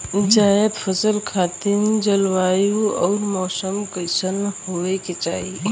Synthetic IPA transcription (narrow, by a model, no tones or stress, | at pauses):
d͡ʒaːjəd̪fʰəsəlkʰaːt̪ind͡ʒəlʋaːjũɔːɾmɔːsəmkəsənhoːeket͡ʃaːɦi